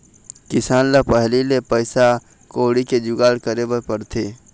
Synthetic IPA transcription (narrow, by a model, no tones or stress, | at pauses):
kɪsaːnlapəɦlilepəɪsa | koːɽiked͡ʒʊɡaːɽkəɾebəpəɾt̪ʰeː